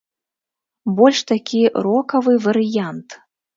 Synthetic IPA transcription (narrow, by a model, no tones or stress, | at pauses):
bɔlʲʂt̪akʲʰiɾɔkɐvɨvɐɾɨjant̪